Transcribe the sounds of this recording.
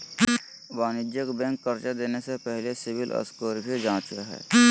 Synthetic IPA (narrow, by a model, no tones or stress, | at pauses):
baːnɪd͡ʒjəkbɛ̃ːŋkːɐɾt͡ʃad̪eːnesepɛɦlesɪbɪlʔə̰skoːɾɪkid͡ʒãːt͡ʃaɦɛ̰ː